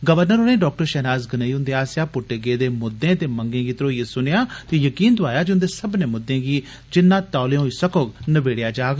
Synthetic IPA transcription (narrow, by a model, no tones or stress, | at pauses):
ɡəʋəɾnəɾoːɽẽːɖɔːk̚ʈəɾʃɛːnaːzɡəneːiʊ̃nd̪eaːsjaːpʊʈːeːɡeːd̪eːmʊd̪ːẽːt̪eːməŋɡẽːɡiːt̪əɾoːjesʊnejaːt̪iːjəkiːnd̪ʊaːjaːd͡ʒʊnd̪eːsəbnẽːmʊd̪ːẽːɡiː | d͡ʒɪnːãːt̪aːleːɦoːiːsəkoːɡnəʋeːɽjaːd͡ʒaːɡ